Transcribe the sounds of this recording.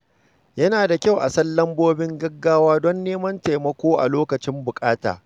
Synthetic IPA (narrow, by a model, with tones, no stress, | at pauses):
jɐ˦naː˨da˨kʲa˦˨wʔa̰˨sɐ˦lːɐ˦mboː˦bɪ˦ŋɡɐ˦ɡːaː˦waː˦dɔ˦nːeː˦mɐ˦nta˨jmɐ˦kʷoː˦ʔa̰˨loː˦kɐ˨t͡ʃɪ˦mbʊ˨kʼaː˦ta̰ː˨